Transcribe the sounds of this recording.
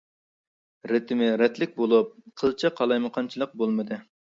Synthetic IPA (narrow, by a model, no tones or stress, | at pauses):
ɾet̪ʰɪmɪɾɛt̪lɪk̚ʲbolˠup̚qʰəlˠt͡ʃʰɑqʰɑlˠɑjməqʰɑnt͡ʃʰilˠəq̚bolˠmɨd̪ɨ